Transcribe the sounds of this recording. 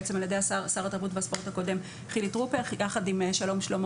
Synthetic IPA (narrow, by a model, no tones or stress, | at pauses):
t͡semaljede̞jassaʁataʁbutveaspo̞ʁtako̞de̞m | χilitʁupejaχadimʃalo̞mʃlo̞m